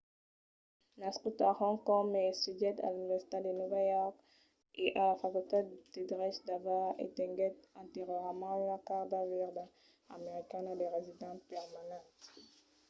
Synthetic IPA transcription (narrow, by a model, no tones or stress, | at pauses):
naskut̪aʁɔ̃kɔmɛsyʒɛd̪a̰lynivɛʁsi̥t̪ad̪enuvajɔʁk | eʔalafakylt̪ed̪̥ed̪ʁɛʃd̪avaḛt̪ɛ̃ɡɛt̪ɛ̃t̪eʁjɔʁmɑ̃ynakaʁd̪avɛʁd̪a | ameʁikanad̪eʁezid̪ɑ̃t̪̚pɛʁmanɑ̃t̪